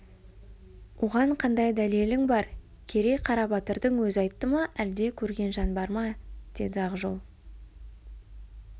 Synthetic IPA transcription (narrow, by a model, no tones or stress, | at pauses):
wʔoʁɑɴqʰɑnd̪ɑjd̪ælelɪŋbɑɾ | kʲʰe̞ɾe̞qʰɑɾɑbɑt̪əɾd̪əŋwɵzɑjt̪ːəmɑʔæld̪e̞kʲʰɵɾɡʲe̞nʒɑnbɑɾmɑd̪̥e̞d̪ɪɑʁʒo̰lˠ